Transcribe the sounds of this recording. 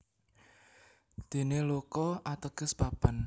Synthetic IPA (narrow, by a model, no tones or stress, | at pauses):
d̪̥e̤nelokɔʔat̪əɡ̥ə̤sb̥ab̥an